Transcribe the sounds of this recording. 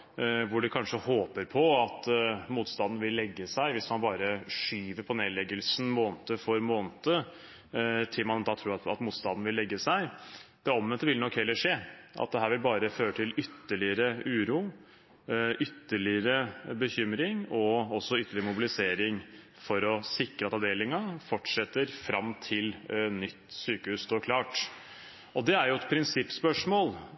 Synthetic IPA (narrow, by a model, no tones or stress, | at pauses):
ʋʊɖɛkʰɑnʂəhoːpəɾpʰɔɑt̪muːt̪st̪ɑnd̪n̩ʋɪlːɛɡːəsæɪʋɪsmɑnbɑːɾəʂyːʋəɾpʰɔneːd̪lɛɡəlsn̩moːnt̪əfɔɾmoːnt̪ə | t̪ʰɪlmɑnd̪ɑːt̪ʰɾuːɾɑt̪ɑ̰t̪muːt̪st̪ɑnd̪n̩ʋɪlːɛɡːəsæɪd̪̥ɛɔmʋɛnt̪əʋɪlənɔkːhɛlːəʂeːʔɑ̰t̪̚d̪ɛɦæːɾʋɪlbɑːɾəføːɾəʈ̪ʰɪlʏt̪ːəɭɪəɾəʉːɾuː | ʔʏt̪ːəɭɪəɾəbəçʏmɾɪŋɔɔsːɔʏt̪ːəɭɪɾəmʊbɪlɪseːɾɪŋ | fɔɾɔsɪkɾəɑt̪ɑʋd̪eːlɪŋɑfɔʈʂɛt̪ːəɾfɾɑmt̪ʰɪlnʏt̪ːsyːkəhʉːst̪ʰoːɾkʰlɑːʈ | ɔd̪ɛæɾjʊɛt̪pʰɾɪnsɪpːspœʂmoːl